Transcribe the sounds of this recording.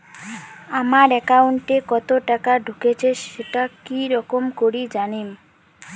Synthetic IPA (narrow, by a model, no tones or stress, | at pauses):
amaɾɛkawɳʈekɔt̪oʈakaɖʱuket͡ɕʰeʃeʈakiɾɔkomkoɾid͡ʑanim